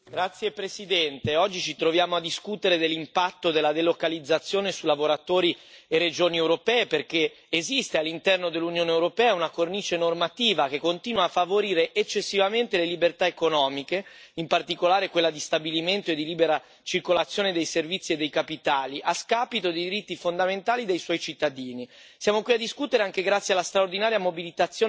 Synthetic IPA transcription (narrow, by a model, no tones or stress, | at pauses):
ɡɾat̪sːjepɾesid̪ɛnt̪eɔd͡ʒːit͡ʃit̪ɾovjaːmoad̪iskut̪eɾed̪elːimpat̪ːod̪elːad̪elokalid̪zːat̪sːjoːnesulavoɾat̪oːɾiered͡ʒoːniewɾopɛːeperkeː | zist̪ealːint̪ɛrnod̪elːunjoːneewɾopɛːaunakorniːt͡ʃenormat̪iːvak̟ekːont̪iːnwaːfːavoɾiːɾeʔːt͡ʃːesːivament̪elelibert̪aekonɔːmikeimpart̪ikolaːɾekwelːad̪ist̪abiliment̪oed̪ːiliːbeɾa | t͡ʃirkolat̪sːjoːned̪ejservit̪sːied̪ːejkapit̪aːliʔaskaːpit̪od̪ejd̪iɾit̪ːifond̪ament̪aːlid̪ejswɔjt͡ʃit̪ːad̪iːni | sjaːmokwiad̪ːiskut̪eɾeaŋkeɡɾat̪sːjialːast̪ɾaord̪inaːɾjamobilit̪at̪sːjo